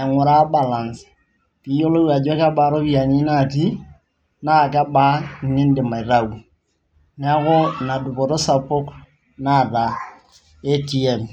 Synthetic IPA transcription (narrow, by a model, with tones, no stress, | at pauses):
a˨ŋʊ˨ɾa˦ba˨la˨ns | pi˨˦jo˦lo˦wa˨d͡ʒa˦ka˦ba˨˦ɾo˦bi˦˨a˨ɲi˦na˦˨ti˦ | na˦˨ka˦ba˦˨nɪ˦n˦dɪ˨ma˨i˨ɾa˦˨u˨ | n˦a˦ko˦na˨du˨kɔ˨ɾo˦sa˨po˦k | na˦˨ta˨ | e˦ti˨ɛ˨m